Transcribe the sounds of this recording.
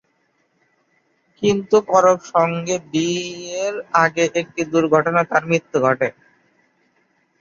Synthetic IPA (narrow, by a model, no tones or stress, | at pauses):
kint̪ukɔɾopʃɔŋɡebieɾaɡeʔek̚ʈid̪uɾɡʱɔʈonat̪aɾmɾit̪ːoɡʱɔʈe